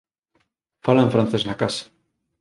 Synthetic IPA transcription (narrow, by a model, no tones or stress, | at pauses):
falãɱfɾãnθesnakasḁ